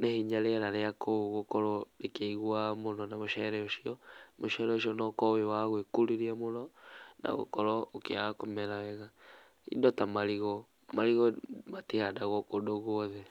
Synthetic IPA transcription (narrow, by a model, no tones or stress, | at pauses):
nehiɲaɾeaɾaɾeakʰooɣokɔɾɔɾekeiɣwamonɔnamoʃɛɾɛoʃiɔmoʃɛɾɛoʃiɔnɔkɔwewaɣwekuɾiɾiamonɔna̰ɣo̰kɔɾɔokeakomɛɾawɛɣa | ḭdɔtamaɾiɣɔ | maɾiɣɔmatihadaɣɔkodoɣwɔðɛ